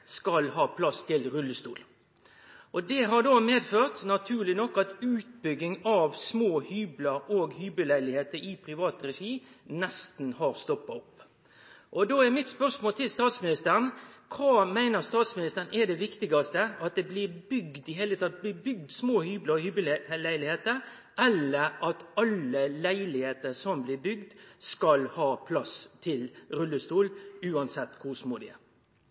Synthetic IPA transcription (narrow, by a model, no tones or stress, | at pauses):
skɑlhɑːpʰlɑst̪ʰɪlɾʉlːəst̪ṵːl | ʔɔd̪ɛɦɑʁɖ̪oːmeːd̪føːʁt̪nɑt̪ʰʉːʁlɪnɔkːɑt̪ʉːt̪̚bʏɡːɪŋɑʋsmoːhyːbləɾoːɡhyːbəlæɪlɪheːt̪əɾipʰɾɪʋɑːt̪ɾɛʂiːnɛst̪n̩hɑɾst̪ɔpːɑɔpː | ʔɔd̪oːɛmɪt̪spœʁsmoːlt̪ʰɪlst̪ɑːt̪smɪnɪst̪əɾən̩kʰɑːmæɪnəɾst̪ɑːt̪smɪnɪst̪əɾn̩ɛd̪ɛʋɪkt̪ɪɡɑst̪əɑt̪̚d̪ɛblɪɾbʏɡd̪ɪɦeɪlət̪ʰɑːt̪̚b̪ɪbʏɡ̚d̪smoːhyːbləɔhybɪllæɪlɪheːt̪əɾ | ʔɛlːəɾɑt̪ɑləlæɪlɪheːt̪əɾsɔmblɪbʏɡd̪skɑlhɑːpʰlɑst̪ʰɪlɾʉlːəst̪uːlʉːɑnsɛt̪ːkʰʊsmuːd̪ɪ